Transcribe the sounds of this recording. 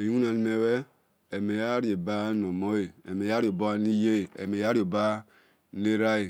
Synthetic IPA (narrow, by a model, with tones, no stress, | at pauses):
e˨˦u˦na˨n˨me˨we˦ | e˨me˨ja˦ɾi˦e˨ba˦no˨mo˦e˨e˨me˨ja˦ɾi˦o˨bo˦ni˦je˦˨ḛ˨me˨ja˦ɾi˦o˨ba˦ | ne˦ɾa˦e˨